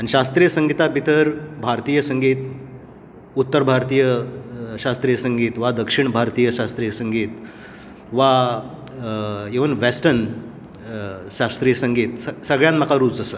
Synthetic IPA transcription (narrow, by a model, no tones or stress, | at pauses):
añiɕast̪ɾijəsəŋɡit̪abʱit̪əɾbʱaɾt̪iːjəsəŋɡiːt̪ | ut̪ːəɾbʱaɾt̪iːjəɕast̪ɾijəsəŋɡiːt̪ʋad̪əkʂiɳbʱaɾt̪iːjəɕast̪ɾijəsəŋɡiːt̪ | ʋa | eʋənʋesʈən | ɕast̪ɾijəsəŋɡiːt̪əsəɡɭjãnm̤akaɾuːt͡səsəː